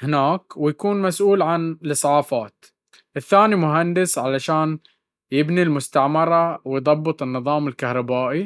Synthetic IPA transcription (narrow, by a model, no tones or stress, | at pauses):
hɪnaːkwɪjakuːnmasʔuːlʕanlɨsˤːʕɑːfaːt̪ | ʔɪθːaːnimʊɦand̪ɪsʕalaʃaːn | jɪbnilmʊst̪aʕmɑɾˤɑwɪjðˤɑbːɨt̪ˤɨnːɨðˤɑːmɪlkahɾˤɑbaːʔi